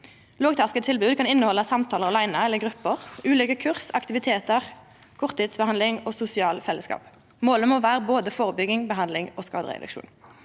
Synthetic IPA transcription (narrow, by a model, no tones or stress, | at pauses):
loːɡt̪ʰæʁskət̪ʰɪlbʉːd̪kɑnɪnːəhɔlːəsɑmt̪ʰɑːləʁɑlæɪnəɛlːəɡʁʉpːəʁʉːleːɡəkʰʉʁsɑkt̪ɪʋɪt̪ʰeːt̪əʁ | kʰʊʁt̪ʰɪːd̪sbəhɑnlɪŋoːsʊsɪɑːlfɛlːəskɑ̰ːp | moːləmoːʋæːʁəboːd̪əfoːʁəbʏɡɪŋbəɦɑnlɪŋoːskɑːd̪ʁəɛ̰d̪ʉ̰kʃṵːn